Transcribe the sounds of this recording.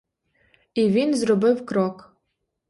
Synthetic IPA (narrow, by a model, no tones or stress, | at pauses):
ivʲinzrɔbɨwkrɔk